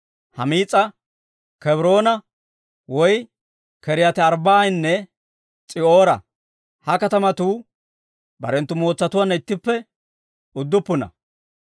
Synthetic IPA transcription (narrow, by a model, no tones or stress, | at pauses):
hɐmiːt͡sʼːɐ | kɛbɾo̞ːnɐ | wɔj | kɛɾɪjɐt̪ɪɐɾbaːjnːɛ | t͡sʼɪo̞ːɾɐ̰ | hɐkɐt̪ɐmɐt̪uː | bɐ̰ɾɛnt̪ːʊmo̞ːt͡sːɐt̪ʊwanːɐɪt̪ːɪpːɛ | ʊd̪ːʊpːʊnɐ̰